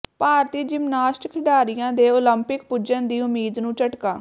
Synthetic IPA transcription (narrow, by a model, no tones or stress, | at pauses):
paːɾt̪iːd͡ʒɪmnaːʃʈkʰɪɖaːɾɪjãːd̪eːoləmpɪkpʊd͡ʒənd̪iːʊmiːd̪nũːt͡ʃəʈkaː